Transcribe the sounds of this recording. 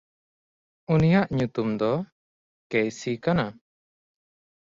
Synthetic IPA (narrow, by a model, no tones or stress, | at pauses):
unijaʔɲut̪umd̪ɔ | kejsikana